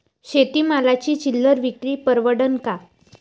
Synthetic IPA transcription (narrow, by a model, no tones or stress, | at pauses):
ɕet̪iːmalat͡ɕiːt͡ɕilːəɾʋikɾiːpəɾʋəɽənka